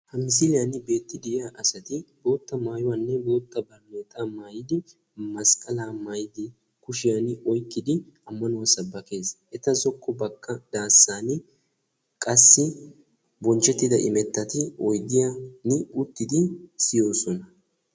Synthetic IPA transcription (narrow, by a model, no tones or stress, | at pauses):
hɐmɪs̬ɪlɪjanɪbe̞ːt̪ːɪd̪ɪɪjaʔɐsɐt̪ɪbo̞ːt̪ːɐmaːjʊwaːnːɛbo̞ːt̪ːɐbɐɾneːt̪ʼaːmaːjɪd̪ɪ | mɐskʼɐlaːmaːjɪd̪ɪ | kʊʃɪjanɔjkːɪd̪ɪ | ɐmːɐnʊwɐsɐbːɐke̞ːsʔɛt̪ɐzɔkʰʼːɔbɐkʰːɐd̪̥aːsːaːnɪ | kʼɐsːɪ | bɔnt͡ʃːɛt̪ːɪd̪ɐʔɪmɛt̪ːɐt̪ɪɔjd̪ɪjanɪʊt̪ːɪd̪ɪsɪjo̞ːsɔnɐ